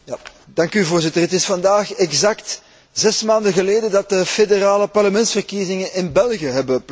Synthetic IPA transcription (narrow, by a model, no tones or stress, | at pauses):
ja | d̥ɑŋkyvoːrzɪtərətɪsfɑndaːxɛɡzɑkt | zɛsmaːndəɣəleːdədɑt̚dəfederaːləpɑrləmɛntsfərkizɪŋənɪnbɛlˠɣjəɦɛbəp